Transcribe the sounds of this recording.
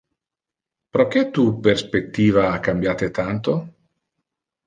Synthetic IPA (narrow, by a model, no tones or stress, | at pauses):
pɾok̟ɛt̪uperspet̪ːiːvaakːambjaːt̪et̪ant̪o